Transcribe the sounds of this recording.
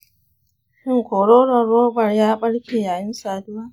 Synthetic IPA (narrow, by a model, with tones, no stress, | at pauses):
ʃɪ˦ŋkoː˨ɽoː˦lɔ˨rːoː˦bɐ˨rjaː˦ɓɐ˦ɽkʲeː˨jaː˨jɪ˦nsaː˨dʊ˦waː˦